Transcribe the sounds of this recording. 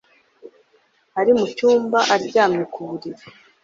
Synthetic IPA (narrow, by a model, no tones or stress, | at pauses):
aɾimucuːmbaʔaɾɟaːmɲekʰuɾiɾe